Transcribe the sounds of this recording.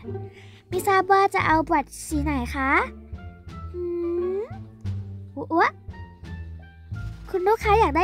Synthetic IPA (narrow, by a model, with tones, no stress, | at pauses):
mi˧˥saː˧bɔ˧t͡ɕa̰˧˩ʔa˧wbu˨˩ət̪̚siː˨˦na˨˩˦jxʰa˧˥ | ʔɯː˧ | u˧˦ʔu˧˦ʔ | kʰu˧nduː˦˥kʰːa˧˥jaː˨˩k̚da˥˨